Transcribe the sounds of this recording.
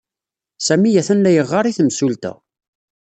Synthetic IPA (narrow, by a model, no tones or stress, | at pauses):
sæmijæθænlæjəʁːɑɾˤiθəmsult̪æ̰